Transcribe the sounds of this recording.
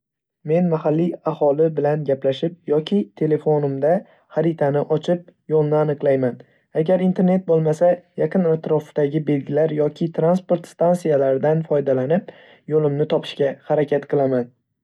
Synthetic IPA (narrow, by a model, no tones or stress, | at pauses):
me̞nmahalːiahɒlɪbɪlanɡʲaplaʃɪp̚jɒkʲʰɪt̪ʰe̞le̞fonɪmd̪a | χaɾɪt̪ʰanɪʔɒt͡ʃʰɪp̚jolˠnɪanɨqlˠajman | aɡʲaɾint̪ʰeɾne̞t̪̚bolˠmasajaqɨnat̪ɾɒfd̪aɡʲɪbe̞lɡʲɪlaɾjɒkʲʰɪt̪ʰɾanspo̞ɾt̪st̪ansijalaɾɪd̪anfɒjd̪alanɪp̚ | jolˠɪmnɪt̪ʰɒpʰɪ̥ʃkʲahaɾakʲʰat̪qʰɨlˠaman